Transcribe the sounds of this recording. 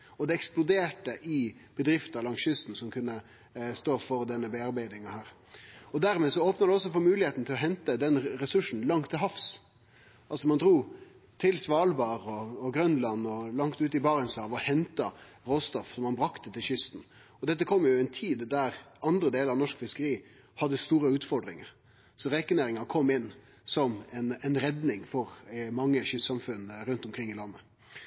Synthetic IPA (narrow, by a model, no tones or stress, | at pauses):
ɔd̪ɛɛksplʊd̪eːʈəʔɪb̥əd̪ɾɪft̪əɾlɑŋsʏst̪n̩sɔmkʰʉnːə | st̪oːfɔɾd̪ɛnːəbɛɑɾbæɪd̪ɪŋɑhæːɾ | ɔd̪æɾmeːsɔoːpnɑd̪ɛɔs̬ːɔfɔːmʉːlɪheːt̪n̩t̪ʰɪlɔɦɛnt̪əd̪ɛnɾɛsʉʂn̩lɑŋt̪ʰːɪɦɑfs | ʔɑlsɔmɑnd̪ɾuː | t̪ʰɪlsʋɑːlbɑːʁɔːɡɾœnlɑnːɔlɑŋt̪ʉːt̪ɪbɑːɾənsɑʋɔhɛnt̪ɑɾoːst̪ɔfsɔmːɑnbɾɑkt̪ət̪ɪlɕʏst̪n̩ | ɔd̪ɛt̪̬ːəkʰɔmːjʊɛnt̪ʰiːd̪d̪æɾɑnd̪ɾəd̪eːləɾɑʋnɔʂkfɪskəɾiː | hɑd̪ːəst̪uːɾəʉːt̪fɔɾd̪ɾɪ̰ŋə̰ɾ | sɔɾekəneːɾɪŋɑkʰɔmːɪnː | sɔmɛnɛnɾɛd̪nɪŋfɔɾmɑŋːəɕʏssɑmfʉnɾʉnt̪ɔmkʰɾɪŋːɪlɑmːə